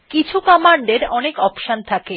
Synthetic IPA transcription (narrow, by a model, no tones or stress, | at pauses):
kit͡ɕʰukɔmaɳɖeɾɔnekɔpʃant̪ʰake